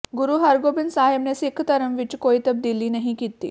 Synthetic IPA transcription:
ɡuɾuːɦaɾɡobinsaɦebnesikʰt̪əɾəmʋit͡ɕkoit̪əb̚d̪iliːnəɦĩkit̪ːḭː

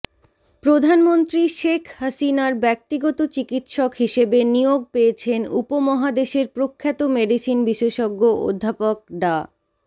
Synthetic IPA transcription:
pɾod̪ʱanmont̪ɾiʃekʰhasinaɾbɛk̚t̪iɡɔt̪ot͡ɕikit̪ʃɔkɦiʃebenijoɡ̚peet͡ɕʰenupomɔɦad̪eʃeɾpɾokʰːat̪omeɖisinbiʃeʃoɡːoo̰d̪ʱːapok̚ɖa

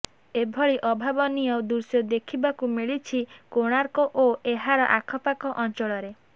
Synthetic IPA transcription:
ebʱɔɭiʔɔbʱabɔnijɔd̪uɾsjɔd̪ekʰibakumiɭit͡ʃʰikoɽ̃aɾkɔʔoeɦaɾɔʔakʰɔpakɔʔɔnt͡ʃɔɭɔɾe

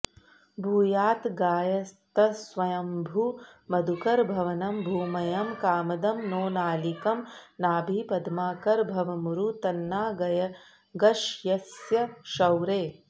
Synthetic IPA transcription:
bʱuːjaːt̪ɡaːjɐst̪ɐsʋɐjɐmbʱumɐd̪ʱukɐɾbʱɐʋɐnɐmbʱuːmɐjɐmkaːmɐd̪ɐmnoːnaːlikɐmnaːbʱipɐd̪maːkɐɾbʱɐʋɐmuɾut̪ɐnːaːɡɐjɐ | ɡɐʃjɐsjɐʃɐwɾeː

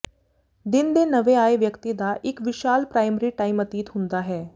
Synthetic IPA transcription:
d̪ɪnd̪eːnɐʋeaːeʋjəkt̪id̪aʔɪkʋɪʃaːlpɾaːɪməɾiʈaːimɐt̪iːt̪ɦʊ̃nd̪aɦɛː

